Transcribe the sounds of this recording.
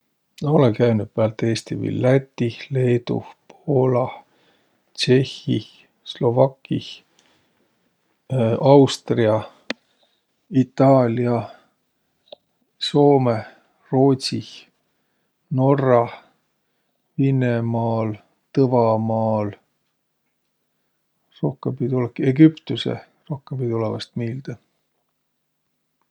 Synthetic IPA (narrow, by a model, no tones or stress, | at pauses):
nɑolekæjnud̪̥̚peɑlt̪ːˑe̞ːst̪ivḭlːæt̪ʲːile̞ːt̪ṵpʰo̞ːlɑ | t͡ʃe̞hi | slo̞vɑkːi | ɑwst̪riɑ | it̪ːɑːlʲjɑ | so̞ːme | ro̞ːt̪si | no̞rɑ | vinemɑːl | t̪ɤvɑmɑːl | ro̞hkempid̪olekeɡypt̪usḛ | ro̞hkemb̥id̪olɛvɑ̰st̪miːld̪̥ɑ